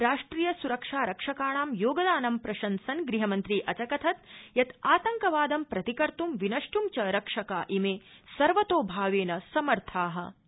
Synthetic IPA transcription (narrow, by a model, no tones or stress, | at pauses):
ɾaːʂʈɾiːjɐsuɾɐkʂaːɾɐkʂɐkaːɳaːmjoːɡɐd̪aːnɐmpɾɐʃɐnsɐnɡɾiɦɐmɐnt̪ɾiːʔɐt͡ʃɐkɐt̪ʰɐt̪jɐt̪aːt̪ɐŋkɐʋaːd̪ɐmpɾɐt̪ikɐɾt̪umʋinɐʂʈumt͡ʃɐɾɐkʂɐkaːʔimeːsɐɾʋɐt̪oːbʱaːʋeːnɐsɐmɐɾt̪ʰaːɦɐ̰̆